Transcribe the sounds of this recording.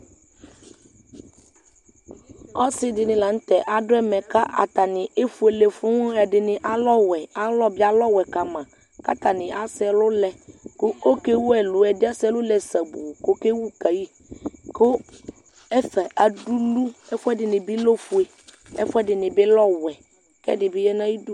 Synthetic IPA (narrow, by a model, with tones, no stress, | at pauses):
ɔ˦sɪ˦dɪ˨nɪ̃˨la˨n̩˦t̪ɛ˨ʔa˨dʊ˦ɛ˦mɛ̃˨ka˦ʔa̰˨t̪a˨nɪ̃˨e˦fu˨˦e˨le˨fʊ˦ŋʊ̃˦ɛ˨dɪ˨nɪ̃˨ʔa˦lɔ˦wɛ˨a˦lɔ˦bɪ˦a˦lɔ˦wɛ˨ka˨mã˨ | ka̰˦t̪a˨nɪ̃˨ʔa˦sɪ˦ɛ˨lʊ˦lɛ˨kʊ˦o˦ke˦wu˦ɛ˨lʊ˨ɛ˨dɪ˦a˦sɛ˦lʊ˦lɛ˨sa˨bu˨ko˦ke˦wu˦ka˨ji˦ | kʊ˦ | ɛ˦fɛ˨ʔa˨du˦lu˦ɛ˦fʊ˦ɛ˦dɪ˨nɪ̃˨bɪ˦lo˦fu˨˦e˨ | ɛ̰˦fʊ˦ɛ˦dɪ˨nɪ̃˨bɪ˦lɔ˦wɛ˨ | kɛ̰˦dɪ˨bɪ˦jɛ˦nã˦ji˦du˦